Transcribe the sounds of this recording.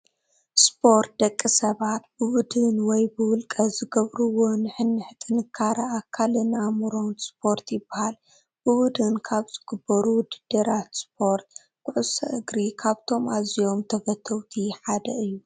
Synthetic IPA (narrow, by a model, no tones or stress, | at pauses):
spʰo̞ɾt̪̚d̪ɐkʼːisɐβat̪̚bɨwʊd̪ɨnwɔjbɨwʊlkʼɐzɨɡɐβɾuwo̞nɨħɨnːɨħt̪ʰʼɨnɨkʰːaɾɐʔakʰːalɨnamɨɾo̞nspʰo̞ɾt̪jɪbːahal | b̥ɨwʊd̪ɨnkʰaβz̥ɨɡɨbːɐɾuwʊd̪ɨd̪ɐɾat̪spʰo̞ɾt̪̚ | kʊʕusɐ̰ʔɨɡɾikʰaβt̪ʰo̞mʔazijo̞mt̪ʰɐfɐt̪ʰːɐwt̪ʰiħad̪ɐɨjːu